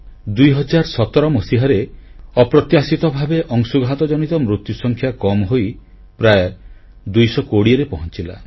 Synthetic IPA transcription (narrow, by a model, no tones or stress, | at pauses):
d̪ujɦɔd͡ʒaɾsɔt̪ɔɾɔmɔsiɦaɾeɔpɾɔt̪jasit̪ɔbʱabeʔɔŋsuɡʱat̪ɔd͡ʒɔnit̪ɔmɾut̪jusɔŋkʰjakɔmɦoj | pɾaj | d̪ujsɔkoɽiɔɾepɔɦɔnt͡ʃila̰